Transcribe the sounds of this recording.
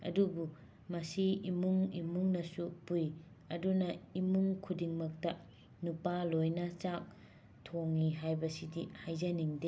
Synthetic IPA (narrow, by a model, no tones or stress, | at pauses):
ɐ̰dubu | mɐsiimuŋimuŋnɐsupuj | ɐdunɐimuŋkʰudiŋmɐk̚tɐ | nupalojnat͡ʃak̚ | tʰoŋniɦajbɐsidihajzɐniŋde